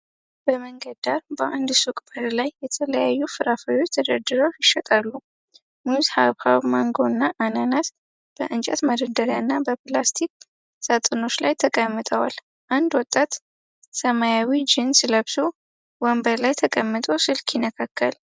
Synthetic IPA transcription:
b̥əməŋɡəd̪aɾbəʔand̪sukʼbəɾlajːɛt̪ʰələjajːufɨɾafajot͡ʃːt̪ʰəd̪əɾd̪ɨɾawjɪʃːət̪ʼalːu | muzhaβhaβmaŋɡonːaʔananat̪ | b̥əʔɨnt͡ʃʼa̰t̪məd̪əd̪əɾjanːabəplast̪ʰik̚ | sat̪ʼɨno̞t͡ʃlajt̪ʰəkʼəmːɨt̪ʼəwal | ʔand̪wɔt̪ʼːat̪ | səmajawid͡ʒɪnsləβso | wɔmbəɾlajt̪ʰəkʼəmːɨt̪ʼosɨlkjɪnːəkʰakʰːəl

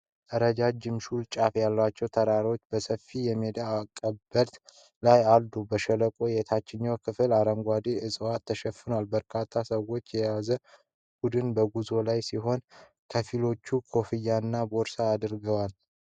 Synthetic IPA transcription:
ʔ̪ʼəɾəd͡ʒad͡ʒɪmʃult͡ʃʼafjalːwat͡ʃːɛwt̪ʰəɾaɾo̞t͡ʃːbəsəfːijɛmed̪aːkʼːəbəɾt̪ | lajald̪ubəʃələkʼo̞jɛt̪ʰat͡ʃːɪɲːowkʰɨfɨlaɾəŋɡʷad̪eɨsʼwat̪ʰːəʃɛfːɨnowalbəɾkʰat̪ʰːasəwo̞t͡ʃːjɛjazə | b̥ud̪ɨnbəɡuzo̞lajsiɦo̞n | kʰəfilo̞t͡ʃːukʰo̞fɨjːanːabo̞ɾsaːd̪ɨɾɡəwal

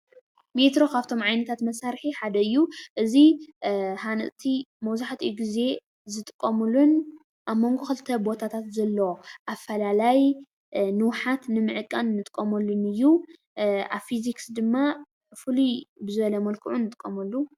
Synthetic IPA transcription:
met̪ɾo̞kʰaβt̪ʰo̞mʕajnɐt̪ʰat̪mɐsaɾħiħad̪ɐɨjːuʔɨzi | hanɨ̰ʔt̪ʰimɐwzaħt̪ʰijɡize̞ | zɨt̪ʼɨkʼːɐmulːun | ʔaβmːo̞ŋɡoxɨlt̪ʰɐbo̞t̪ʰat̪ʰat̪zɐlːɐwoʔafːɐlalaj | nɨwħat̪nɨmɨʕɨkʼːanːɨt̪ʼɨkʼːɐmɐlːunɨjːu | a̰βfiziksd̪ɨmːa | fɨlubɨzɨβɐlɐmɐlkʰɨʕunːɨt̪ʼɨkʼːɐmɐlːu

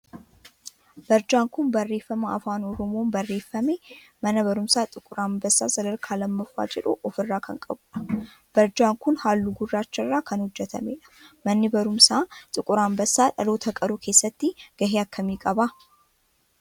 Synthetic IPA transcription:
b̥ɐɾd͡ʒaːŋkʊnbɐrːe̞ːfːɐmɐɐfaːnɔɾɔmoːnbɐrːe̞ːfːɐme | mɐnɐbɐɾʊmsaːt̪ʼɪkʼʊɾaːmbɐsːaːsɐd̪ɐɾkʰaːlɐmːɐfːa̰ːd͡ʒɛᶑṵʔɔfɪrːaːkʰɐŋkʼɐ̰bʊᶑɐ̥ | b̥ɐɾd͡ʒaːŋkʊnhaːlːuɡʊrːaːt͡ʃːɐrːaːkʰɐnhʊd͡ʒːɛt̪ɐ̰mḛːᶑɐ̥mɐnːɪbɐɾʊmsaːt̪ʼɪkʼʊɾaːmbɐsːaːᶑɐloːt̪ʰɐkʼɐɾuːkʰe̞ːsːɐt̪ːɪɡ̥ɐɦeːɐkʰːɐmiːkʼɐbaː

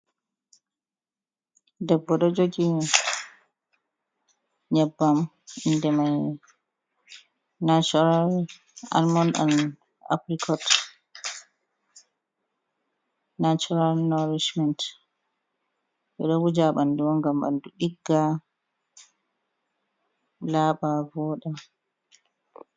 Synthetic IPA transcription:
dɛbːɔɗɔd͡ʒoɡi | ɲabːam | indɛmaj | nat͡ʃɔɾal | a̰lmɔna̰n | a̰pɾikʰɔt | nat͡ʃɔnalnɔɾid͡ʒmɛnt | ɓɛɗɔwud͡ʒaɓanduwɔŋɡamba̰nduɗiɡːa | laːɓavɔɗa

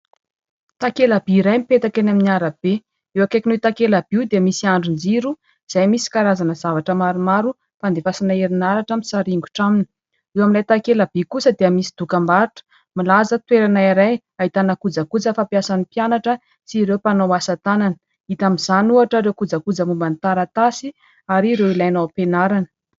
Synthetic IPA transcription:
t̪akelab̥iiɾajmipet̪akenaminiaɾab̥e | ewakekʲinet̪akelab̥iwd̪eəmisiaɳɖ͡ʐund͡ziɾu | iz̥ajmisi̥kaɾazanəzavaʈ͡ʂəmaɾumaɾu | fand̪efasinaeɾinaɾaʈ͡ʂamisaɾiŋɡu̥ʈ͡ʂaminə̥ | ewamilajt̪akelab̥ikusəd̪eəmisi̥d̪̥ukambaɾuʈ͡ʂə̥ | milazət̪weɾanaiɾaj | ait̪anakud͡zakud͡zəfapjasanipianaʈ͡ʂə | t͡siɾewpanowasat̪ananə̥ | it̪amiz̥anuaʈ͡ʂəɾewkud͡zakud͡zəmumbant̪aɾat̪asi | aɾiɾewilajnawpenaɾanə̥

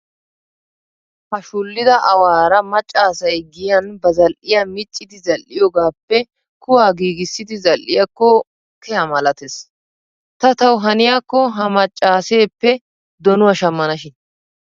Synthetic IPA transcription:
hɐʃʊlːɪd̪ɐʔɐwaːɾɐmɐt͡ʃʼːaːsɐjɡɪjɐnbɐzɐlʔɪjamɪt͡ʃʼːɪd̪ɪzɐlʔɪjɔɡaːpːɛ | kʊwaːɡiːɡɪsːɪd̪ɪzɐlʔɪjɐkːɔ | kʰɛɐmɐlɐt̪es | t̪ɐt̪ɐwɦɐnɪjakːɔɦɐmɐt͡ʃʼːaːse̞ːpːɛ | d̪ɔnʊwɐʃɐmːɐnɐʃɪn

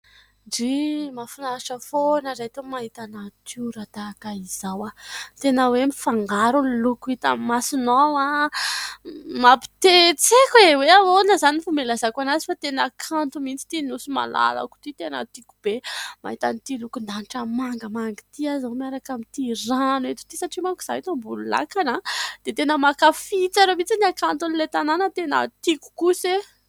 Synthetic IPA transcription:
ɖ͡ʐimafinaʃəfonəɾat̪emaɦit̪anat̪ʰuɾad̪akaiz̥awat̪enəwemifaŋɡaɾunlukuit̪a̰mmasinowa | mapi̥t̪et͡sekweweawonəzanifumelazakʷanazi̥fat̪enəkʰant̪umint͡si̥t̪inusima̰la̰la̰ku̥t̪it̪enə̰t̪iku̥b̥ema̰ɦit̪anit̪ilukund̪aniʈ͡ʂəmaŋɡəmaŋɡi̥t̪iazomiaɾakamit̪iɾanwet̪u̥t̪isaʈ͡ʂimaku̥z̥ait̪ambulula̰kanad̪̥et̪enəmakafit͡saɾomit͡siniakant̪unilet̪ananət̪enə̰t̪iku̥kuse

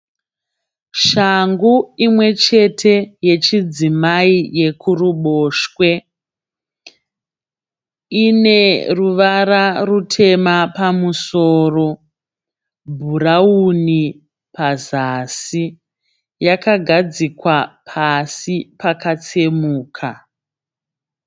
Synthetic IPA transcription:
ʃaŋɡuimwe̞t͡ʃe̞tʰe̞je̞t͡ʃid͡zimaije̞kʰuruɓoːʃkwe̞ | ine̞ruʋaɾarutʰe̞mapamusoːro̞ | bʱurauni | pazasi | jakaɡʱad͡zikwapʰasipakat͡semuːkʰa

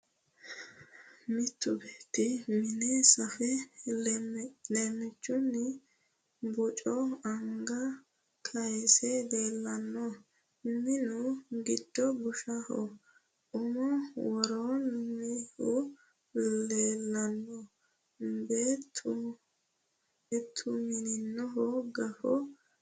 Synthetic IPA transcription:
mɪt̪ːʊbeːt̪ːɪmɪnesɐfɛ | leːmːɪt͡ʃːʊnɪ | bʊt͡ʃʼɔɐŋɡɐ | kʰɐjsɛle̞ːlːɐnːɔ | mɪnʊɡɪd̪̥ːɔbʊʃɐhɔ̰ | ʔʊmɔwɔɾoːnmɪhʊ | leːlːɐnːɔ | beːt̪ʰːʊ | t̪ʰːʊmɪnɪnːɔɦɔɡɐfɔ

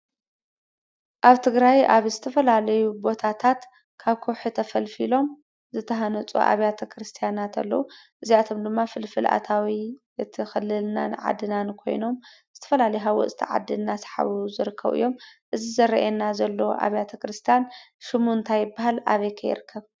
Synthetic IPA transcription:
ʔaβt̪ʰɨɡɾajʔaβzɨt̪ʰɐfɐlalɐjubo̞t̪ʰat̪ʰat̪ | kʰaβkʰoħut̪ʰɐfɐlfilo̞m | zɨt̪ʰɐɦɐnɐt͡sʼṵʔa̰βjat̪ʰɐkʰɾɨst̪ʰijanat̪ʰa̰lːɐ̰wuʔɨziat̪ʰo̞md̪ɨmːafɨlfɨlʔa̰t̪ʰawi | ɨt̪ʰixɨlːɨlna̰nɨʕa̰d̪ːɨnankʰo̞̰jno̞mz̥ɨt̪ʰɐ̥fɐlalɐjuɦawɔ̰t͡sʼt̪ʰiʕa̰d̪ɨnːasħa̰βuzɨɾɨkʰːɐ̰βɨ̰jːo̞mʔɨzizɐɾɐʔenːazɐlːɐwo̰ʔa̰βjat̪ʰɐkɾɨst̪ʰijan | ʃɨmuɨnt̪ʰajːɪbːaɦalʔa̰βɐjkʰɐjɪ̰ɾɨkʰːɐβ

